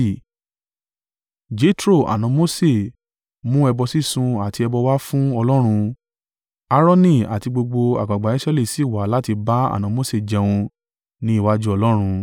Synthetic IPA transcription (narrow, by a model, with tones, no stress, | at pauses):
d͡ʒe˨˦tɾo˦˨ʔa̰˨nã˨˧mo˦se˦˨ | mũ˦ɛ˧bɔ˧si˦sũ˧a˨ti˧ɛ˧bɔ˧wa˦fũ˦ɔ˧lɔ˦ɾ̃ũ˧ | a˦ɾɔ˦nĩ˦˨a̰˨ti˧ɡ͡bo˧ɡ͡bo˧a̰˨ɡ͡ba˨ɡ͡ba˨i˦sɛ˦le˦˨si˨˦˨wa˨˦la˦ti˧ba˦a̰˦˨nã˨˧˦mo˦se˦˨d͡ʒɛ˧w̃ũ˧ | nĩ˧˦i˦˨wa˦d͡ʒu˦ɔ˧lɔ˦ɾ̃ũ˧